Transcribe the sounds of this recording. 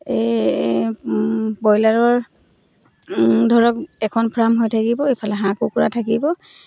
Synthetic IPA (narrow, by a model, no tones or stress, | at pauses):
e | bɔjlaɹɔɹ | dʱɔɹɔk̚ɛkʰɔnpʰɹamɦojtʰakibɔejpʰalɛɦãkukʊɹa̰tʰakibɔ